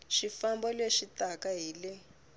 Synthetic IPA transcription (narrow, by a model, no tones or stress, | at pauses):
ʃifambɔleʃitakaɦiːle